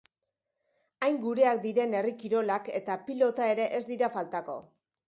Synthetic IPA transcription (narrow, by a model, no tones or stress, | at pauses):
ajŋɡuɾe̞ak̚d̪iɾe̞ne̞rikiɾo̞lake̞t̪apilo̞t̪ae̞ɾe̞ʔe̞zd̪iɾafalt̪ako̞̰